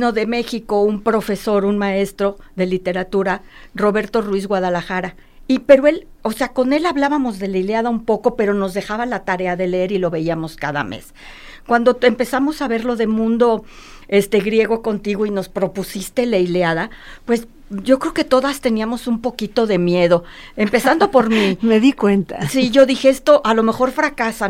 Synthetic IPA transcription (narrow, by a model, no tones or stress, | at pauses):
no̞ðe̞me̞xiko̞umpɾo̞fe̞so̞ɾunmae̞st̪ɾo̞ðe̞lit̪e̞ɾat̪uɾaro̞βe̞ɾt̪o̞rwizɣwaðalaxaɾa | ipe̞ɾo̞e̞l | oseako̞ne̞laβlaβamo̞zðe̞lejleaðaumpo̞ko̞pe̞ɾo̞no̞zðe̞xaβalat̪aɾe̞aðe̞leeɾilo̞βe̞iamo̞skaða̰mḛs | kwand̪oempe̞samo̞saβe̞ɾlo̞ðe̞mũnd̪o̞ | e̞st̪e̞ɣɾje̞ɣo̞ko̞nt̪iɣo̞ino̞spɾo̞pusist̪e̞lejleaðapwe̞s | ɟ͡ʝo̞kɾe̞oke̞t̪o̞ðast̪e̞niamo̞sumpo̞kit̪o̞ðe̞mje̞ðo̞ | e̞mpe̞sand̪o̞po̞ɾmimeðikwent̪asiʝo̞ðixee̞st̪o̞ʔalo̞me̞xo̞ɾfɾakasa